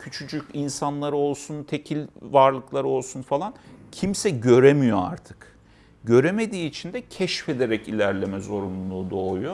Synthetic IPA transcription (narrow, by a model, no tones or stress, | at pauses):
cʰyt͡ʃʰyd͡ʒycinsanlˠaɾɯo̞lˠsunt̪ʰe̞cʰilʲvaɾlˠɯklˠaɾɯo̞lˠsunfalˠancʰimsɛɟø̞ɾemijo̞a̰ɾt̪ʰɯ̥k | ɟø̞ɾeme̞d̪iːt͡ʃʰind̪ɛcʰɛʃfe̞d̪eɾɛcilʲæɾlʲemɛzo̞ɾunlˠuːd̪o̞ːujo